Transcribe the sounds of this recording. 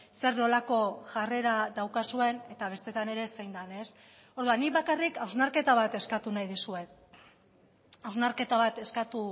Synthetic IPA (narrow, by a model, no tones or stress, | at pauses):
se̞ɾno̞lako̞ʝare̞ɾaðawkasue̞ne̞t̪aβ̞e̞st̪e̞t̪ane̞ɾe̞se̞jnd̪ane̞s | o̞ɾðuanːiβakarikawznaɾke̞t̪aβ̞at̪e̞skat̪unajðisue̞ | awznaɾke̞t̪aβ̞at̪e̞skat̪u